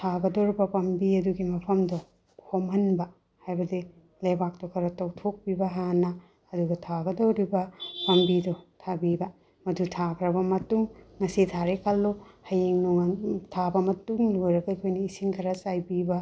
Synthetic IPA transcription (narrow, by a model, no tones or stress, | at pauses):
tʰaɡɐdɐwɾibɐpɐmbiɐduɡimɐpʰɐmdɔ | kʰomɐnbɐ | hajbɐdi | lɐjbak̚tokʰɐɾɐtɐwtʰok̚bibɐɦanɐː | duɡɐtʰaɡɐdɐwɾibɐpɐmbidɔtʰabibɐ | mɐdutʰakʰɾɐbɐmɐtuŋːɐsitʰaɾekʰɐlːohɐjeŋnuŋantʰabɐmɐtuŋlojɾɐɡɐikʰojnɐisiŋkʰɐɾɐsajbibɐ